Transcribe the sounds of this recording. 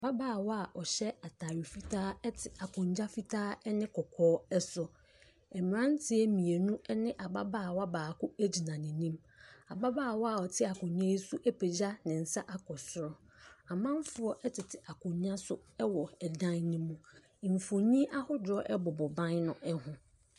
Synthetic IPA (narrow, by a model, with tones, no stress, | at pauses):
a˨ba˦baː˨wɔ˦a˨ʔɔ˨ɕɛ˦a˨tʰaː˨ɾi˨fi˦tʰaː˦ɛ˦tʰɪ˨a˨kʰʊ̃˨ɲ˦d͡ʑa˦fi˦tʰaː˦ɛ˦nɪ̃˦kʰɔ˨kʰɔː˦ɛ˦sʊ˨ | ɛ˨mɪ̃˨ɾã˦n˦tʰɪ˦ɛ˦mĩ˨e˨nũ˦ɛ˦nɪ̃˦ʔa˨ba˦baː˦˨wa˦baː˨kʊ˦æ˦d͡ʑi˨nã˨nĩ˨nĩ˦m | a˨ba˦baː˦˨wɔ˦a˨ɔ˨tʰɪ˦a˨kʊ̃˨ɲɲã˦i˦su˦ʔɛ˦pʰe˨d͡ʑa˦nɪ̃˨n̩˨sa˦ʔa˦kʰɔ˨sʊ˨ɾɔ˦ | a˨mã˦m˦fʊ˦ɔ˦ʔɛ˦tʰɪ˨tʰɪ˨ʔa˨kʰʊ̃˨ɲɲã˦sʊ˦ɛ˦wɔ˨ɛ˨dã˦nĩ˦mũ˦˨ | m̩˨fõ˨ɲĩ˦ʔa˦hʊ˦dɔ˦ʔɛ˦bɔ˨bɔ˨bã˦nnʊ̃˦ʔɛ˦hʊ̃˦